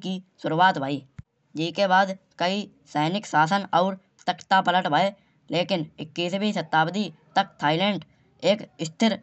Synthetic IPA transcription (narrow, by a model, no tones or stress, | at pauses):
kisʊɾuaːt̪bʱaːiː | d͡ʒɪːkeβaːd̪ | kəi | sɛːnɪksaːsənɔːɾ | t̪əkt̪apələʈbʱaːe | leːkɪnɪkːiːsbʱisət̪ːaːbd̪it̪ək̚t̪ʰaːɪlɛ̃ːɳɖ | eːkɪst̪ʰɪɾ